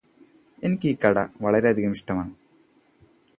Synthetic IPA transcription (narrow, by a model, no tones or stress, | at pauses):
e̞nikʲːɨiːkːɐɽɐ̰ʋɐɭɐɾeɐd̪ʱiɣɐmiɕʈɐmaːɳɨ